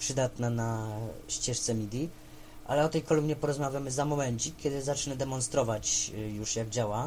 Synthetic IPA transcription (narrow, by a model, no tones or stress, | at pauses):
pʂɘd̪at̪nanaɕt͡ɕɛʂt̪sɛmʲid̪ʲi | ʔa̰lɛɔt̪ɛjkɔlumɲʲɛpɔɾɔzmavʲjamɘzamɔmɛnt͡ɕikʲjɛd̪ɘzat͡ʂnɛd̪ɛmɔnst̪ɾɔvat͡ɕjuʂjaɡ̚d͡ʑawa